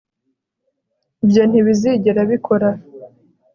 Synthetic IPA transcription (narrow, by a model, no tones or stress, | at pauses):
ibjon̥iβiziɟeɾaβikʰo̞ɾa